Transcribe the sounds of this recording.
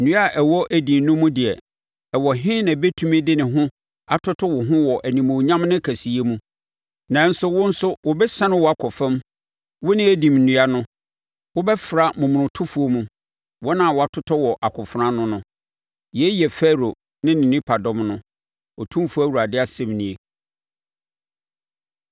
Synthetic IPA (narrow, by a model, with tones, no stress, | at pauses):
nũ˦a˦ʔɛ˨wɔ˦ʔæ˨dĩ˨mnʊ̃˦mũ˦dɪ˨ɛ˨ | ɛ˨wɔ˨ɦɪ̃˦nã˨bɛ˦tʰũ˦mĩ˦dɪ˦nɪ̃˨ɦʊ̃˦ | a˨tʰʊ˦tʰɔ˦wʊ˨ɦʊ̃˦wɔ˨ʔæ˨nĩ˨mõ˨ɲã˦mnɪ̃˦kʰæ˨si˨e˦mũ˦ | nã˨˦n̩˦sʊ˦wʊ̃˦n̩˦sʊ˦wʊ˨bɛ˦sã˦nʊ̃˦wɔ˨˦a˨kʰɔ˨fɛ̃˦m | wʊ˦nɪ̃˦æ˦dĩ˨m̩˨nũ˨a˦nʊ̃˦ | wʊ˦bɛ˦fɾa˨mʊ̃˨m̃˨ʊ̃˨tʰʊ˦fu˦o˦mũ˦ | wɔ˦nã˨wɔ˨a˨tʰʊ˦tʰɔ˦wɔ˨ʔa˨kʰʊ˨fʊ˨ɾã˦nʊ̃˦nʊ̃˦ | jɛ˨˦jɛ˨fɛ˦ɾo˨ | nɪ̃˦nɪ̃˨nĩ˦pʰa˨dɔ̃˨mnʊ̃˦ | ɔ˨tʰũ˦fu˦æ˦wu˨ɾa˨dɪ˦a˨sɛ̃˨mnĩ˨e˨